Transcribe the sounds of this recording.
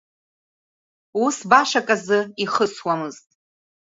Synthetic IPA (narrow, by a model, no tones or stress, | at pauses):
usbaʃakʼazɨiχəswamɨztʼ